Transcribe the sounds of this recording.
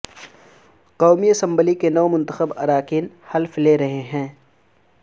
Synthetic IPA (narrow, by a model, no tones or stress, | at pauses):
qɔːmiɐsə̃mbəlikenɔːmʊ̃nt̪əxəbɐ̰ɾaːkiːn | hɐlfleɾɐɦeɦɛ̃ː